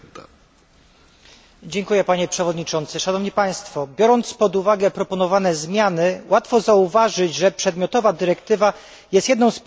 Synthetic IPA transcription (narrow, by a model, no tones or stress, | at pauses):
d͡ʑɛŋkujɛpaɲɛpʂɛvɔd̪ɲit͡ʂɔnt̪sɘʂanɔvɲipaj̃st̪fɔbʲjɔɾɔnt̪spɔd̪uvaɡɛpɾɔpɔnɔvanɛzmʲjanɘwat̪fɔzauvaʐɘd͡ʑʐɛpʂɛd̪mʲjɔt̪ɔvad̪ɘɾɛkt̪ɘva | jɛst̪jɛd̪nɔ̃w̃s